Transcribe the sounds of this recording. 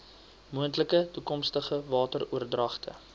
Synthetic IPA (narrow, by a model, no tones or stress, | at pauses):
muəntləkətukɔmstəχəvɑːtəruərdrɐχtʰə̰